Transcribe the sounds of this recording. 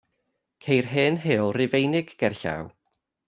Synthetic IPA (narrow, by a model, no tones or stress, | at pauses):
kʰejrɦɨnɦɪɔlˠrɪvejnɪɡːɛrɬa̰w